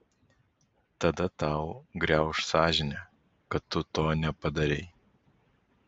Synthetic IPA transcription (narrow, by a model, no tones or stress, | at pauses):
t̪ɐd̪ɐt̪ɐˑʊɡɾʲɛʊʃsɑːʒʲɪnʲɛ | kɐt̪ːʊt̪oːnʲɛpɐd̪ɐɾʲɛɪ